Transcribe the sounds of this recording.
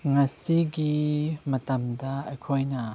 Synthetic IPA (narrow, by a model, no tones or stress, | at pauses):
ŋasiɡimət̪ɐmdaəkʰɔjna